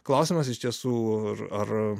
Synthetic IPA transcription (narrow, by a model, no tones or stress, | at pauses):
klˠɐʊsʲɪmɐs̬ɪʃt̪ʲiɛsuːrɐr